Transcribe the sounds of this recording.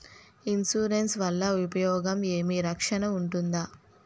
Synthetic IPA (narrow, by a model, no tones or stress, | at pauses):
insuːɾensʋɐlːɐupɐjɔːɡɐme̞ːmiɾɐkʂɐnɐuɳʈund̪aː